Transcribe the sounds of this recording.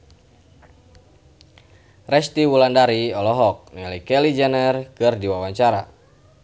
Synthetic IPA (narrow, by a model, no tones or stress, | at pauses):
rɛst̪iwulandaɾiɔlɔɦɔk̚nɛlikɛlid͡ʒanərkɨrdiwawaɲt͡ʃaɾa